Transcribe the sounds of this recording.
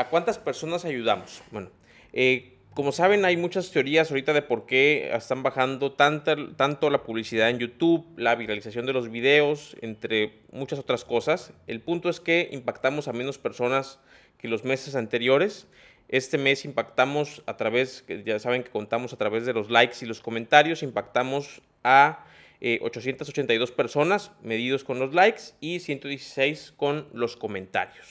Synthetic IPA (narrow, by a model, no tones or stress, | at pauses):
akwant̪aspe̞ɾso̞nasaʝuðamo̞sbwe̞no | e | ko̞mo̞saβ̞enajmut͡ʃast̪eo̞ɾiasoɾit̪aðe̞po̞ɾke̞ḛst̪ambaxand̪o̞t̪ant̪at̪ant̪o̞lapuβ̞lisiðaðe̞njut̪uβlaβ̞iɾalisasjo̞nd̪e̞lozβiðe̞o̞se̞̰nt̪ɾe̞ | mut͡ʃaso̞t̪ɾasko̞sase̞̰lpunt̪o̞e̞ske̞ḭmpakt̪amo̞samẽ̞no̞spe̞ɾso̞nas | ke̞lo̞zme̞ses̬ant̪e̞ɾjo̞ɾe̞s | e̞st̪e̞me̞simpakt̪amo̞sat̪ɾaβe̞sʝasaβe̞ŋke̞ko̞nt̪amo̞sat̪ɾaβe̞zðe̞lo̞zlajksilo̞sko̞mẽ̞nt̪aɾjo̞simpakt̪amo̞s | a | eʔo̞̰t͡ʃo̞sjent̪asot͡ʃe̞nt̪ajðo̞spe̞ɾso̞nasme̞ð̞ið̞o̞sko̞nlo̞zlajksisje̞nt̪o̞ðjesi̥se̞jsko̞nlo̞sko̞mẽ̞nt̪a̰ɾjos